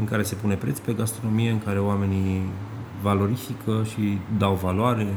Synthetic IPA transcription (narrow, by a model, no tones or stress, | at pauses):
ɨŋkaɾe̞se̞pune̞pɾe̞t̪spe̞ɡast̪ɾo̞no̞mije̞ɨŋkaɾe̞oame̞ni | valo̞ɾifikʰəʃid̪awvaloaɾe̞